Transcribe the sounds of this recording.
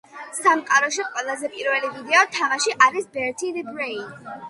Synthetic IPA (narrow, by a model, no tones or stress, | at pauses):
samqʼaɾɔʃ̬iqʼwɛlˠazɛpʼiɾvɛlivid̪ɛɔt̪ʰamaʃiʔaɾisbɛɾt̪ʰilibɾɛi